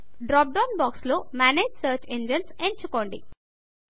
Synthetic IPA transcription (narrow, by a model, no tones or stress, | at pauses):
ɖɾɔːp̚ɖɔ̃ːnbɔːksloːmæːneːd͡ʒsəːɾt͡ʃẽnd͡ʒə̃nsẽɳɖ̚t͡ʃukoːɳɖḭ